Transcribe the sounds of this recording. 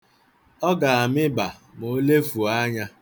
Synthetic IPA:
ɔ˦ɡa˨a˨mɪ˦ba˨mo˨˦le˦fu˨a˦ɲa˦

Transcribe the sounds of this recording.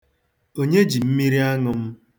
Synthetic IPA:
o˦ɲe˦d͡ʒi˨m̩˦mi˦ɾi˦a˦ŋʊ˨m̩˦

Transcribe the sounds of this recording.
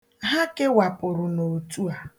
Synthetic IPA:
ɦa˦kɪ˦wa˨pʊ˨ɾʊ˨no˨tu˦a˨

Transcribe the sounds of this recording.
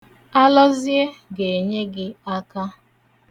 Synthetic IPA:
a˦lɔ˦zi˦e˦ɡe˨ɲe˦ɡɪ˦a˦ka˦

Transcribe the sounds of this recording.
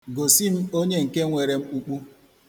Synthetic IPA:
ɡo˨si˦m̩˦o˦ɲe˦ŋ̩˨ke˦ŋʷe˨ɾe˨m̩˦u˨k͡pu˦

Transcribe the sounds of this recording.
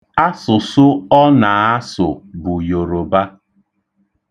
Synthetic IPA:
a˦sʊ˨sʊ˦ɔ˦na˨a˦sʊ̰˨bʊ˨jo˨ɾo˨ba˦

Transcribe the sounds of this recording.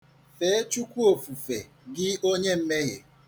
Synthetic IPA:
fe˨˦e˦t͡ʃu˦kʷu˦o˨fu˨fe˨ | ɡɪ˦o˦ɲe˦m̩˦me˦ɣḛ˨

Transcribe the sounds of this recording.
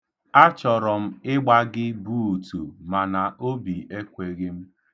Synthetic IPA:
a˦t͡ʃɔ˨ɾɔ˨m̩˦ɪ˦ɡ͡ba˦ɡɪ˦bu˦˨tu˨ma˨na˨ʔo˦bi˨e˦kʷe˨ɣɪ˦m̩˦

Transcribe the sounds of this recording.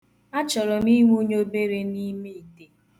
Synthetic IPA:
a˦t͡ʃɔ˨ɾɔ˨m˦i˦ŋʷu˦ɲo˦be˦ɾe˦ni˦me˦i˨te˨

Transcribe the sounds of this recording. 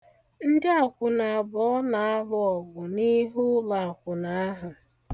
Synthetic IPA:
n̩˦dɪ˦a˨kʷʊ˨na˨a˨bɔ˨ɔ˦na˨a˦lʊ˦ɔ˨ɡʊ˨ni˦ɦu˦la˨a˨kʷʊ˨na˨˦ɦʊ˨

